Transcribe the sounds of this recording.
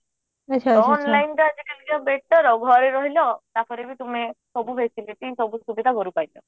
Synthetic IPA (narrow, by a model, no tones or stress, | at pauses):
at͡ʃʰaɔɔnllajnʈɔad͡ʒikelikbeʈɔɾɔɡʱɔɾiɾɔɦilɔt̪apɔɾebit̪umesɔbupʰesiliʈisɔbusubid̪ʱaɦɔɾupajlɔ